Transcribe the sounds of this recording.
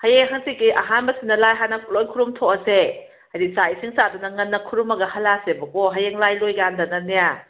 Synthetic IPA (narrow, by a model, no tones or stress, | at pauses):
hɐjeŋɦɐŋsikːiʔɐɦanbɐsinɐlajɦanɐlojkʰuɾumtʰoɐse | hadisaisiŋsadunɐŋɐnːɐkʰuɾumɐɡɐhɐlasebɐkoɦɐjeŋlajlojɡandɐnɐnija